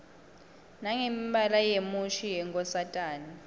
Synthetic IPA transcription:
naŋemibalajemuʃijɛŋkɔsatʼaːni

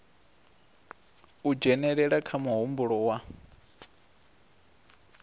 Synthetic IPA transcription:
ud͡ʒɛnɛɺɛɺakʰamuɦumbuɺɔwa

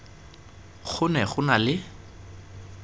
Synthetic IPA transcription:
χʰʊnɛχʊnalɪ

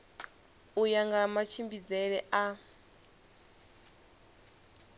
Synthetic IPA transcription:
ujaŋɡamat͡ʃʰimbid͡zɛɺɛʔa

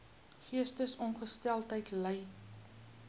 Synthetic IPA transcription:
χiəstəsɔnχəstælˠtəjtləj

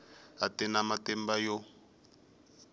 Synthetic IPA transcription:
atɛnamatɛmbajo

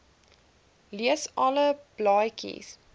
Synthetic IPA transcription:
liəsɑləb̥lɑjkḭs

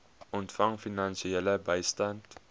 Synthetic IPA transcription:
ʔɔntfaŋfinansiɛləbɛɪstɐnt

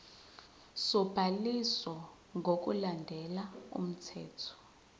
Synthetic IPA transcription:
sɔb̥ʱaliswɔ | ŋɡʱok̬ʼṵlandʱɛlaṵm̩tʰɛːtʰɔ̥

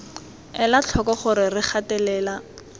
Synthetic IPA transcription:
ɛlat͡ɬʰɔkɔχʊɾɪrɪχatɛlɛːla

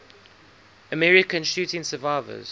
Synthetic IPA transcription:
əmɛɹɪkə̃nʃʉːtɪ̃nsəvaɪvə̰z̥

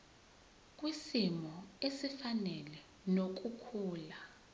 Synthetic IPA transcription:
kʼwisimɔesifanɛlɛ | nok̬ʼukʰuːla

